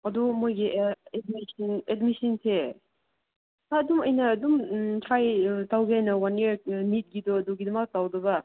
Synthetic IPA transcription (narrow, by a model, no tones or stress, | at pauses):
ɐdumojɡiʔɛd̚misinetmisinsʰe | aɐdumɐjnɐːdumtʰɾajtawɡiɐjnɐwaniɾnit̚ɡidɔɐduɡidɐmak̚tawdɐbɐ